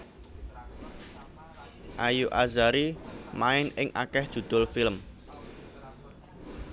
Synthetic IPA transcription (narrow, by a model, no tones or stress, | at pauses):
ʔajuʔazaɾimaɪnɪŋʔakɛhd̥ʒ̥ṳd̪̥ʊ̤lfiləm